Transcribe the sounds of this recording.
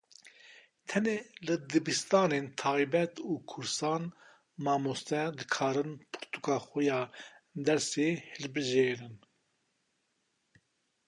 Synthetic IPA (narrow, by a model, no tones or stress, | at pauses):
t̪ʰɛneːlɨd̪ɨbist̪ɑːneːnt̪ʰɑːjbɛt̪uːkʰʊɾsɑːn | mɑːmost̪ɛd̪ɨkʰɑːɾɨnpʰɨ̥ɾt̪u̥kɑːxujɑːd̪ɛɾseːhɨlbɨʒeːɾɨn